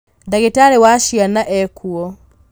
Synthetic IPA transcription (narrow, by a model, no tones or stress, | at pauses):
daɣetaɾewaʃianaʔɛkʰuɔ